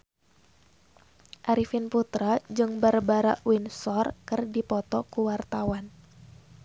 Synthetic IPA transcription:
ʔaɾifinput̪ɾad͡ʒɨŋbarbaɾaʔwinsɔrkɨrdipɔt̪ɔkuwart̪awan

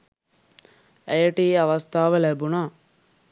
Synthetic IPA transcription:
ɛjəʈiːɐʋɐst̪ʰaːʋɐlɛbuna

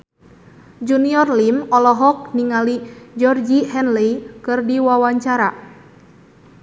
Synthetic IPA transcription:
d͡ʒuniɔrlimɔlɔɦɔk̚niŋalid͡ʒɔrd͡ʒihɛnlikɨrdiwawaɲt͡ʃaɾa

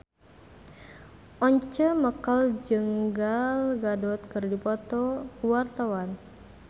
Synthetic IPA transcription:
ʔɔɲt͡ʃəməkəld͡ʒəŋɡalɡadɔt̪̚kərdipɔt̪ɔwart̪awan

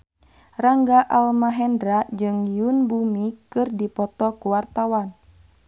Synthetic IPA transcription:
raŋɡaʔalmaɦɛndɾad͡ʒɨŋjunbumikɨrdipɔt̪ɔkuwart̪awan

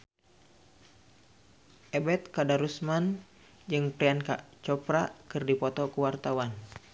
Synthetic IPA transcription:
ʔɛbɛt̪̚kadaɾusman | d͡ʒɨŋpɾɛanka̰t͡ʃɔpɾakɨrdipɔt̪ɔkuwart̪awan

